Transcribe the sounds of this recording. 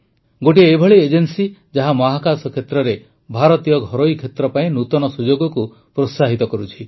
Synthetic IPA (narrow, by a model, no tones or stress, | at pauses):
ɡoʈiːbʱɔɭied͡ʒensid͡ʒaɦamɔɦakasɔkʰet̪ɾɔɾe | bʱaɾɔt̪ijɔɡʱɔɾojkʰet̪ɾɔpaĩnut̪ɔnɔsud͡ʒoɡɔku | pɾosaɦit̪ɔkɔɾut͡ʃʰi